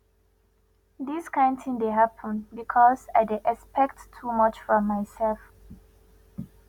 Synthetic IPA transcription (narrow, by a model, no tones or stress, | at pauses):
d̪iskʰãntʰĩŋdeɦapʰə̃nbikʰɔzaɪdeʔɛspɛk̚ttʰːumʌt͡ʃfɹɔ̃mːaɪsɛlf